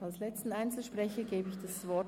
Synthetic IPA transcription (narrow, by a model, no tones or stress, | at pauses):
alslɛt͡stn̩aɪnt͡sl̩ʃpʁ̥ɛçəɡeːbəɪçd̥asvɔɐ